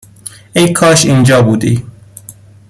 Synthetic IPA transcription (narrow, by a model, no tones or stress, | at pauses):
ejkʰɒːʃind͡ʒɒːbuːd̪iː